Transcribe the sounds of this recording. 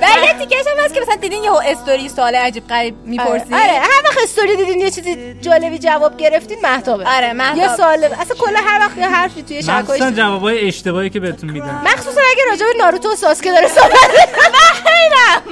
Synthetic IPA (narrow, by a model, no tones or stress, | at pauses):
vælijet̪ʰicæʃæmhæst̪kʲcemæsælænd̪id̪iːnjeoest̪oɾijesoːleæd͡ʒiːb̥̚ɢæɾiːbmiːpoɾsiɒɾehæɾvæχest̪oɾiːd̪iːd̪injet͡ʃʰiːzid͡ʒɒːle̞bid͡ʒævɒːb̚ɟe̞ɾe̞ft̪id̪mæht̪ʰɒːbeɒɾemæhtjɔsɔleæsænkʰolːænɦæɾvæxjeɦæɾfit̪ʰujeʃʃæsukːɔːjsænd͡ʒævɒːbɒːjeeʃt̪e̞bɒːicʰebehet̪ʰunmiːd̪ænmæxsuːsænæɡʲæɾɒːd͡ʒebenɒːɾut̪ʰosɒsked̪ɒːɾesobæt̪beʃæxejnæ